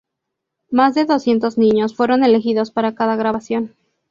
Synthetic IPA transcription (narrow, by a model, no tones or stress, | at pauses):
mazðe̞ðo̞sje̞nt̪o̞znĩɲo̞sfwe̞ɾo̞ne̞lexiðo̞spaɾakaðaɣɾaβasjo̞n